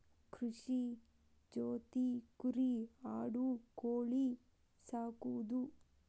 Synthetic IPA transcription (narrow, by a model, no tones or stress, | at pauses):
kʰɾuʂi | d͡ʒoːt̪ikuɾiaːɽukoːɭi | saːkuʋd̪u